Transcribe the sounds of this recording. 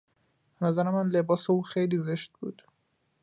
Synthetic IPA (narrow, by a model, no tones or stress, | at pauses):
b̥enæzæɾemænlebɒːseuːxejliːzeʃt̪̚bṵːd̪̥